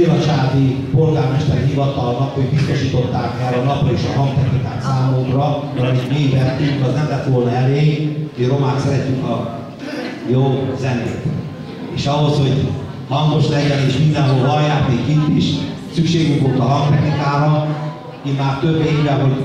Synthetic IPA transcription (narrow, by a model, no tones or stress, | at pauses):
elɒt͡ʃaːd̪ipo̞rɡaːrmɛʃt̪ɛrɦivɒt̪ɒlnɒkhoɟbist̪o̞ʃiːt̪o̞t̪ːaːkɛlɒnɒprɔeːʃɒ̰ɦɒŋɡt̪ɛknika̰ːt̪saːmokrɒmɛlɒmimivɛnt̪ːyŋkɒznɛmlɛt̪ʋo̞lnɒɛleːmiro̞maːt̪sɛɾɛt̪ːyŋkɒ | joːzɛnd̪ḛːk̪ | eːʃɒɦo̞sho̞ɟ | mɒŋɡ̪o̞ʃlɛɟɛneːʃmind̪ɛnɦolvɒljaːrnikint̪iʃ | sykʃeːɡyŋkʋolt̪ɒɦɒŋɡt̪ɛknikaːɾɒ | immaːrt̪øbːeːɾɛɦo̞ɟ